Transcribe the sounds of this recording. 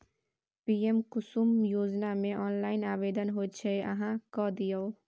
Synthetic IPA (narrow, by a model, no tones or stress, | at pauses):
piːemkʊsumjoːd͡ʒnamẽʔɔːnlaːɪnaːʋeːd̪ənɦot͡ʃʰeɐ̰ɦãkɔd̪ijəo